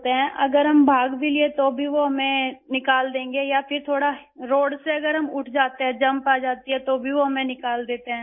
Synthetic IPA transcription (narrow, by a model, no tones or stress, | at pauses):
t̪eɦɛ̃ʔɐɡəɾɦɐmbʱaːɡbʱiliet̪obʱiʋoɦɐmẽnɪkaːld̪ẽːŋɡejapʰɪɾt̪ʰoːɽa | ɾoːɽseɐɡəɾɦɐmʊʈʰd͡ʒaːt̪eɦɛ̃d͡ʒɐ̃mpaːd͡ʒaːt̪iɦɛt̪obʱiʋoɦɐmẽnɪkaːld̪eːt̪eɦɛ̃ː